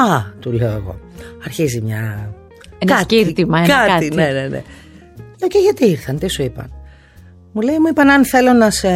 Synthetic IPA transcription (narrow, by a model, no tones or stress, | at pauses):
ɐt̪uleoeɣo̞̰ | ɐɾçizimɲɐ | enɐciɾt̪imɐeɐkɐt̪iinenenḛ | ocejʝɐt̪iiɾθɐnt̪isuipɐ̰n | mulejmuipɐnɐnθe̞lo̞nɐse